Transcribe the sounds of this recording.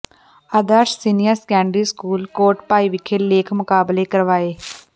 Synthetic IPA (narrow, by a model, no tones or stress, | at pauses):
əd̪əɾʃsiːnijəɾskɛ̃ːɳɖiːskuːlkoːʈpaːiːʋɪkʰeleːkʰmʊkaːbleːkəɾʋaːeː